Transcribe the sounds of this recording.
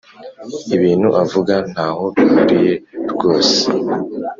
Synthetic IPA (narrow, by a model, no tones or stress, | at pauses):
iβiːn̥huʔavuɡan̥haho̞βihuɾije̞ɾɡo̞ːse̥